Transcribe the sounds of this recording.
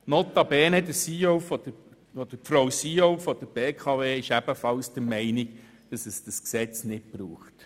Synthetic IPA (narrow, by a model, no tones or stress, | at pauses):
nɔt̪ːɑbɛːnɛd̪əsiːowfɔdə | fod̥əɾpfɾowsiːowfɔd̥̪əɾb̥eːkʰɑveːɪʃæb̥əfɑlsd̥̪əɾmɛɪnɪɡ | d̥ɑsɛsd̥ɑsksɛt͡snɪt̚b̥ɾuːχt